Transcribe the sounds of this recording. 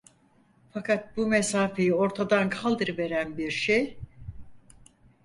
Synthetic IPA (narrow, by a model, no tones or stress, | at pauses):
fakʰat̪̚bumesaːfe̞jio̞ɾt̪ʰad̪ankʰalˠd̪ɯɾɯve̞ɾænbiɾʃej